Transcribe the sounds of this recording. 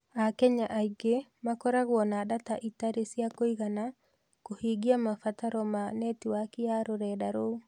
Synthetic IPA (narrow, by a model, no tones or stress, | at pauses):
akɛɲaʔaiɡemakɔɾaɣwɔnaːdataʔitaɾesjakoiɣana | kohiɡiamafataɾɔmanɛtiwakiaɾoɾɛdaɾou